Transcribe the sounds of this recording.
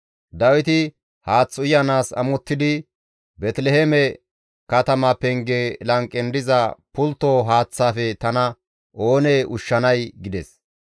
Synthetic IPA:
d̪ɐwɪt̪ɪ | haːt͡sːʊjɐnaːsɐ̰mɔt̪ːɪd̪ɪ | bɛt̪lɛhɛmɛ | kɐt̪ɐmapɛŋɡelɐŋkʼːɛnd̪ɪzɐpʊlt̪ːoɦaːt͡sːaːfɛt̪ɐnɐ | ʔo̞ːneːʔʊʃːɐnɐjɡɪd̪ɛs

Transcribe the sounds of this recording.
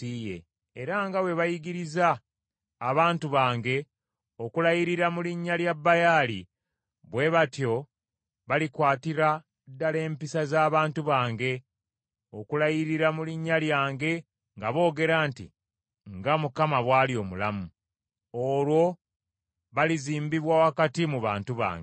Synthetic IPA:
tiːjḛː | ɾaŋɡawe̞βajiɡiɾizaː | βaːntuβaːŋɡe̞ | okulajiɾiɾamuliɲːaljabːajali | βwe̞βatjo̞ | βalikwaːtiɾa | dːale̞ːmpisazaːβaːntuβaːŋɡe̞ | o̞kulajiɾiɾamuliɲːaljaːŋɡe̞ | ŋɡaβo̞ːɡe̞ɾaːntḭ | ŋɡamukamaβwaːlio̞ːmulamu | oːlwo̞ | βaliziːmbiβwawakatimuβa̰ːntuβa̰ːŋɡe

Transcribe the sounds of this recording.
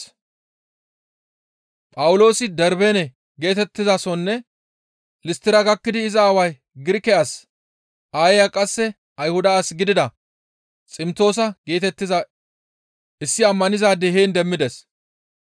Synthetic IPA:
pʼɐwʊlo̞ːsɪd̪ɛɾbenɛ | ɡe̞ːt̪ɛt̪ːɪzɐsɔnːɛ | lɪst̪ɪɾɐɡɐkːɪd̪ɪːzɐːwɐj | ɡɪɾɪkɛʔɐs | ʔaːjɛjɐkʼɐsːɛ | ʔɐjhʊd̪ɐsɡɪd̪ɪd̪ɐ | t͡sʼɪmt̪o̞ːs̬ɐɡe̞ːt̪ɛt̪ːɪzɐ | ʔɪsːɪɐmːɐnɪzaːd̪ɛɦeːnd̪ɛmːɪd̪ɛs

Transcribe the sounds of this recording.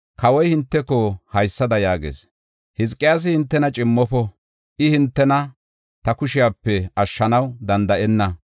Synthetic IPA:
kɐwɔjhɪnt̪ːɛkɔhɐjsːɐd̪ɐjaːɡḛːs | hɪzkʼːɪjaːs̬ɪhɪnt̪ːɛnɐt͡ʃʼɪmːɔpɔ | ʔɪhɪnt̪ːɛnɐ | t̪ɐkʊʃɪjaːpːɛɐʃːɐnɐwd̪ɐnd̪ɐʔɛnːɐ

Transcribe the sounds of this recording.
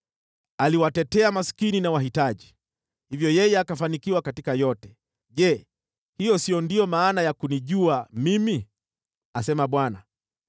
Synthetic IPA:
aliwatɛtɛamaskininawaɦitaʄi | hivjɔjɛjɛakafanikiwakatikajɔtɛ | ʄɛ | hijɔsijɔndijɔmaːnajakuniʄuamimi | asɛmaɓwana

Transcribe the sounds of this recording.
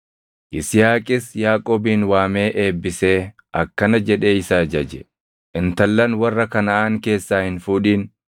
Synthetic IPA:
ʔɪsɪjaːkʼɪsjaːkʼoːbiːnwaːme̞ːʔe̞ːbːɪse̞ː | ʔɐkːɐnɐd͡ʒɛᶑe̞ːɪsaːd͡ʒɐd͡ʒɛ | ʔɪnt̪ɐlːɐnwɐrːɐkɐnɐʔaːŋke̞ːsːaːhɪnfuːᶑiːn

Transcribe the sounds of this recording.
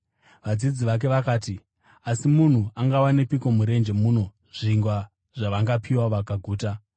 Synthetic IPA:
ʋad͡zid͡ziʋak̬e̞ʋakaːti | asimun̤uʔaŋɡawane̞piko̞muɾe̞nd͡ʒe̞muno̞ | ʐ̥iŋɡwa | ʐ̥aʋaŋɡapʰiwaʋakaɡʱuːta

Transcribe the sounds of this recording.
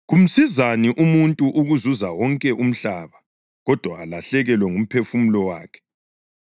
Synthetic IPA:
ɣum̩sizaniʔumuntʼuʔuɣuzuzawɔŋkʼɛʔum̩ɬaːβa | ɣɔd̥ʱwaːlaɬɛɣɛlwɛŋum̩pʰefumulɔwa̰ːkʰɛ̥

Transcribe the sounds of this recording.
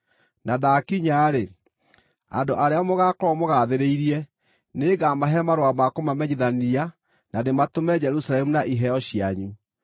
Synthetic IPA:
nadakiɲaɾe | a̰ndoʔaɾeamoɣakɔɾɔmoɣaðeɾeiɾiɛ | neɣamaɦɛmaɾwamakomamɛɲeðania | nadematomɛd͡ʒɛɾusalɛmunaʔiɦɛɔɕiaɲu

